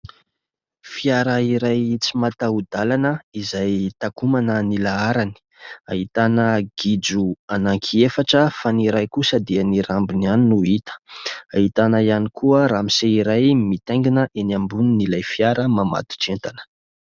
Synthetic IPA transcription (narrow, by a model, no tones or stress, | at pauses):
fiaɾəiɾajt͡simat̪aud̪alanəizajt̪akumanənilaaɾani̥ | aɦit̪anəɡ̥id͡zuanaŋkʰiefaʈ͡ʂəfaniɾajkusəd̪ianiɾambinaninuit̪ə̥aɦit̪anəianikʰuəɾamiseiɾajmit̪ejŋɡinəʔenambuninilajfiaɾəmama̰t̪u̥ʈ͡ʂent̪anə̥